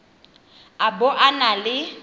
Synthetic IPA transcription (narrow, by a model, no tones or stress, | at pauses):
abʊʔanalɪ